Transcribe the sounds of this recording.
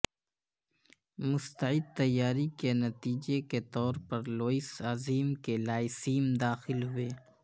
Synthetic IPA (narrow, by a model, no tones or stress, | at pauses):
mʊst̪ɐʕɪd̪̚t̪ɐjːaːɾikenɐt̪iːd͡ʒeket̪ɔːɾpɐɾloːɪsaːziːmkelaːɪsiːmd̪aːxɪlɦʊeː